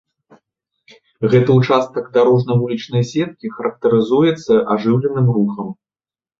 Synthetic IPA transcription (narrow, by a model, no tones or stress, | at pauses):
ɣɛt̪ɐut͡ʂast̪ɐɡd̪aɾɔʐnɐvulʲit͡ʂnɐjsʲɛt̪̚kʲixɐɾɐk̚t̪ɐɾɨzujɛt̪sːɐʔaʐɨwlʲɛnɨmruxɐm